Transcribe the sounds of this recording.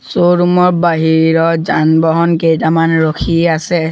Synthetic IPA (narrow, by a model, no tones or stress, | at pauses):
soɹumɔɹbaɦiɹɔzanbɔɦɔnkejtamanɹokʰiasɛ